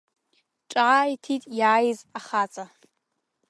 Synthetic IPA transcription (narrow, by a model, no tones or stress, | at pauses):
ʈ͡ʂʼaːitʰitʼjaːjzaχat͡sʼa